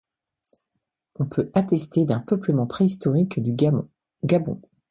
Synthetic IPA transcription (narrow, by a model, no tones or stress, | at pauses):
ɔ̃pʰøat̪ɛst̪ed̪ɛ̃pœpləmɑ̃pχeist̪ɔʁikd̪y | ɡabɔ̰̃